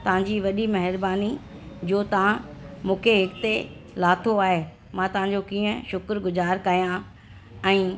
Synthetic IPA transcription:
t̪ɐʋ̤ãɲd͡ʑiːʋɐɗimɐɦɪɾbaːni | d͡ʑoːt̪ɐʋ̤ãmũːkʰeɦɪkt̪e | laːt̪ʰoaːɦe | mãːt̪ɐʋ̤ãɲ̆d͡ʑokiːə̃ʃʊkɾɡʊzaːɾkɐɦijã | ɛ̃ː

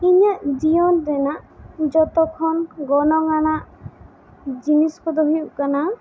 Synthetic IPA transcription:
iɲaʔd͡ʒijɔnd̪ɛnaʔd͡ʒɔt̪ɔkʰɔnɡɔnɔŋaɽ̃aʔ | d͡ʒinisɔkɔd̪ɔɦijukana

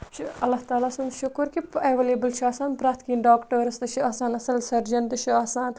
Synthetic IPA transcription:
t͡ʃʰiɐlːaht̪aːlaːsɐnʃʊkəɾkipeːʋeleːbəlt͡ʃʰiaːsaːnpɾaːt̪ʰkiːnɖaːkʈəːɾɐst̪ɨt͡ʃʰiaːsaːnɐsɐlsɐɾd͡ʒɐnt̪ɨt͡ʃʰiaːsaːn

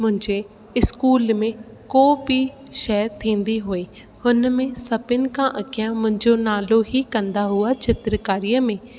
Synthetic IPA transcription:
mʊ̃ɲd͡ʒeː | ɪskuːlmẽː | koːbiː | ʃɛːt̪ʰĩːnd̪iːɦoːiː | hʊnmẽːsəpɪnkãːʔəkʰɪjãːmʊ̃ɲd͡ʒoːnaːloːɦiːkənd̪aːɦʊaːt͡ʃɪt̪ɾəkaːɾijəmẽː

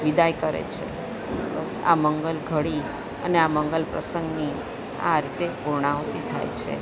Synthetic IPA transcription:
ʋid̪ajkəɾḛt͡ʃʰḛ | bəsa̰məŋɡəlɡʱəɽi | əneaməŋɡəlpɾə̰səŋɡni | a̰ɾit̪epuɾɳawt̪it̪ʰa̰jt͡ʃʰḛ

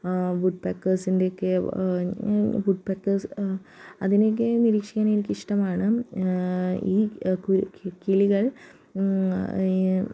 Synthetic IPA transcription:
buʈ̚peːkːɐrsinde̞okːe | buʈ̚pekːɐrs | ɐðinek̬ːeniɾiːkʂi̥kʲːaːnenikʲːiʂʈɐmaːɳɨ | iːkukiliɣɐɭ

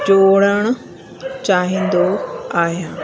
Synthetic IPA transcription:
t͡ɕoːɽəɽ̃ʊ | t͡ɕaːɦĩːnd̪oaːɦjãː

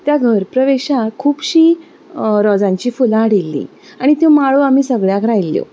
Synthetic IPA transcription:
t̪jaɡʱəɾpɾəʋeɕakʰuːpɕiː | ɾɔd͡zãɲt͡ɕiːfulãɽilːḭ | aɽ̃it̪jõmaɭoam̤iːsəɡɭjakʰɾajlːjo̰

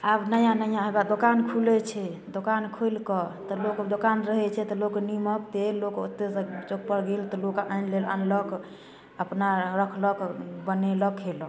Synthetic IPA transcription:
abnəjãnəjãɦebad̪okankʰulɛt͡ʃʰɛd̪okankʰojlkɔt̪ɔlokd̪okanɾəɦɛt͡ʃʰɛt̪ɔloknimək̚t̪elokṵt̪ːest͡ʃok̚pəɾɡelt̪ɔlokaʔanlelə̰nlək | əpnaɾəkʰləkbəneləkɦelɔ

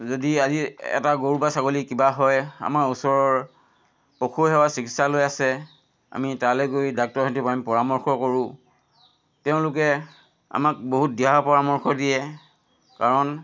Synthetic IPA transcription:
zodiaziɛ̰taɡoɹubasaɡolikibaɦɔja̰maɹusɔɹɔɹ | pokʰuɦɛwasiki̥salojasɛ | a̰mitalɛkoidak̚tɔɹɦɔntupamipɔɹamɔɹxʰɔkoɹʊ̃ | tɛʊ̃lʊk̬ɛ | a̰mak̚boɦut̚diapɔɹamɔɹxʰɔdijɛ | kaɹɔn

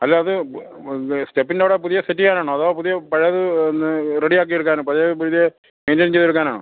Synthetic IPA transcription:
ɐlːɐɐðɨ | stepːindeʋɽepuðijɐsetːijaːnaːɳuɐðoːpuðijɐpɐɻɐjɐðɨnːɨreɽijaːk̬ːieɽukːaːnopɐðjɐpuɻðijɐ | meːndent͡ɕejðeɽukːaːnaːɳɨ̰

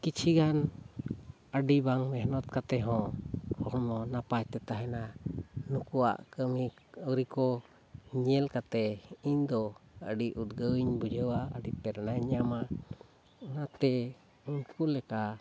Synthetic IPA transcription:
kit͡ʃʰiɡan | əɖibaŋmɛɦnɔt̪̚kat̪ɛɦɔ̃hɔɾmɔnapat͡ʃt̪ɛt̪aɦɛnanukua̰ʔkəmi | əɾikɔ | ɲɛlkat̪ɛind̪ɔə̰ɖiʔut̪ɡəwiɲbud͡ʒəwaə̰ɖipɛɾnaɲama | nat̪ɛ | unkulɛka

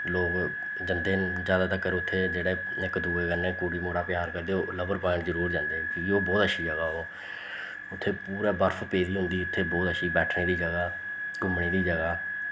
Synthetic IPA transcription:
loːɡ | d͡ʒənd̪eːzjaːd̪aːt̪əkːəɾʊt̪ʰːeːd͡ʒeːɽeː | ɪkd̪uːeːɡəlẽːkuːɽiːmoːɽaːpjaːɾkəɾd̪eːoːləbəɾpãːɪɳzəɾuːɾd͡ʒãːnd̪eːkũːkioːbɔːt̪əʃʰiːd͡ʒəɡaːoː | ʊt̪ʰːeːpuːɾaːbəɾfpeːɾiːɦʊ̃nd̪iːʊt̪ʰːeːbɔːt̪əʃʰiːbɛːʈʰneːd̪iːd͡ʒəɡaː | ɡʊmɽeːd̪iːd͡ʒəɡaː

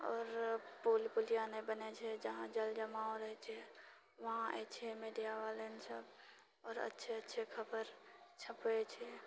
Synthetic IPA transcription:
ɔːɾpoːlpʊlijanebənet͡ʃʰɛd͡ʒəɦãd͡ʒəld͡ʒəmaːoɾəɦet͡ʃʰɛ | ʋɐɦãɛ̰t͡ʃʰɛmeːɖijaʋalensəb | ɔːɾə̰tːʃʰeətːʃʰekʰəbəɾt͡ʃʰəpet͡ʃʰɛ

